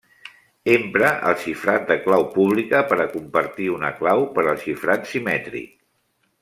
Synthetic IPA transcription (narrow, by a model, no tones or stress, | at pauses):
empɾəʔə̰lˠʃifɾat̪̚d̪əklawpuβ̞likəpəɾəkumpəɾt̪iunəklawpəɾəlˠʃifɾat̪simɛt̪ɾḭk̚